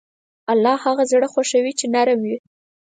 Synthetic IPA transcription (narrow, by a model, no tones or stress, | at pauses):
alːɑhaɣazɽəxaʃawit͡ʃenaɾmwi